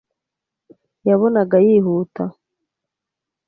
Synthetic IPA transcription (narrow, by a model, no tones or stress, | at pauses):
jaβo̞naɡajiːɦuːta